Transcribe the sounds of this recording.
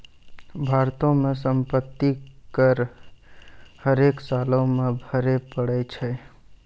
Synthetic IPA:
bʱaɾt̪õmẽsəmpət̪ːikəɾ | həɾeksalõmẽbʱəɾepəɽɛt͡ʃʰɛ

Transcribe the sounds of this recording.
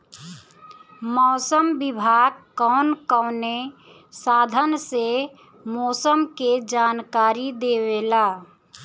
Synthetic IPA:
mɔːsəmbɪbʱaːɡ̚kɔːnkɔʊne | saːd̪ʱənse | mɔːsəmked͡ʒaːnkaːɾid̪eweːlaː

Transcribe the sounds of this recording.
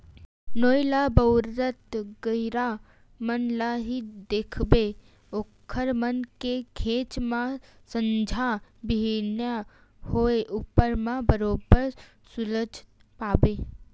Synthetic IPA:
noːjlabəʊɾət̪ɡəɪɾa | mənlaɦid̪eːkʰbe | oːkʰːəɾmənkekʰeːt͡ʃmãsə̃ɲd͡ʒʱabɪɦenja | hoeʔupːəɾmãbəɾoːbəɾ | sʊləd͡ʒʱpaːbeː

